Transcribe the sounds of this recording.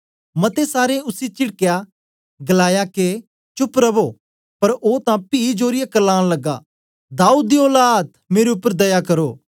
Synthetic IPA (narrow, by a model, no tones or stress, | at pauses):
mɐt̪esaːɾẽʊsit͡ʃɪɽkejaː | ɡɐlaːjake | t͡ʃʊpɾɐbo | pɐɾoːt̪ãpiːd͡ʒoːɾɪjakɐlaːɽ̃lɐɡːa̰ː | d̪aːuːd̪ːiɔːlaːd̪̚meːɾeʊpːəɾd̪ɐjakɐɾoː